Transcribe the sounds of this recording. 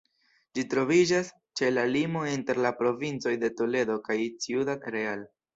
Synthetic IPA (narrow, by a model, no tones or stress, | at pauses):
d͡ʒitɾo̞vid͡ʒas | t͡ʃe̞lalimo̞inte̞ɾlapɾo̞vint͡so̞jde̞tole̞do̞kajt͡siudaɾeal